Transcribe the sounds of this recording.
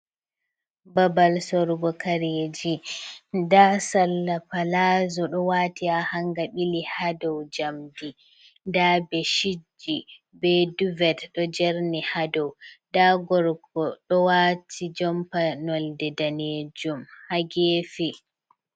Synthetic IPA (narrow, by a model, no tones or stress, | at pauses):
babalsɔɾɡɔkaɾeːd͡ʒi | dasalːapalaːzɔɗɔwaːtiahaŋɡaɓilihadɔwd͡ʒamdi | dabɛʃid͡ʒːi | bɛduvɛtɗɔd͡ʒɛɾnihadɔwdaɡɔɾɡɔɗɔwatʰid͡ʒɔmpanɔldɛdaned͡ʒumhaɡeːfi